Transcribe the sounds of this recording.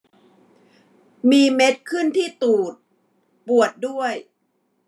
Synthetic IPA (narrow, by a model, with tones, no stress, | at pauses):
miː˧me˦˥t̪̚kʰɯ˥˩nt̪ʰiː˥˩t̪uː˨˩t̪̚ | pu˨˩ət̪̚du˥˩əj